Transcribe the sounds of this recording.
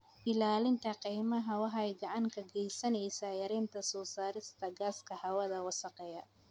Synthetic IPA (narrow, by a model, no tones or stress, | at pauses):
ʔɪlaːlɪnt̪ʰɐqijmɐɦɐwɑɦɛjɡɑʕɑŋkʰɐɡɛjsɐnɛjsajɐɾɛːnt̪ʰɐsɔːsaːɾɪst̪ʰɐɡaːskʰɐhɐwɐðɐwɑsɐqɛjɐ